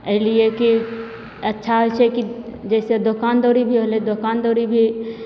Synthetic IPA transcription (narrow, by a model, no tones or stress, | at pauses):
əɦlieki | ɐtːʃʰaɦot͡ʃʰɛkid͡ʒɛːsed̪okaːnd̪oːɾibʱiɦoled̪okaːnd̪oɾibʱi